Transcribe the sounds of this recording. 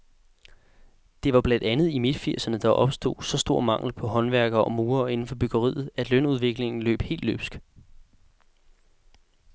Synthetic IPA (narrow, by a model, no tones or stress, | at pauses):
d̥e̝ʋɑ̈b̥lænd̥ænð̞̩ˠimed̥fiɐ̰sɐnəd̥ɑ̈ʔɒ̽b̥sd̥o̝̰ːsɒ̽sd̥o̝ɐ̰mɑ̈ŋ̰l̩pʰɒ̽ɦɒ̽nʋæɐɡ̥ɐʔɒ̽muːɐe̝n̩fɒ̽b̥øɡ̥ɐʁḭːð̞̩ˠæd̥lønuð̞ˠʋe̝ɡ̥le̝ŋn̩lø̰ːb̥he̝̰ːld̥lø̰ːb̥sɡ̥